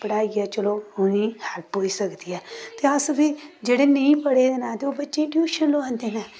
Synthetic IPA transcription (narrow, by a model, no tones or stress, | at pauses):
pəɽaːiɛːt͡ʃəloːonĩːhɛːɾ̚poːiːsəkd̪iːɛːt̪eːəsʋiːd͡ʒeːɽeːnəĩːpəɽeːd̪enãːt̪eːoːbətːʃeːɪʈjuːʃənloãːnd̪eːnaː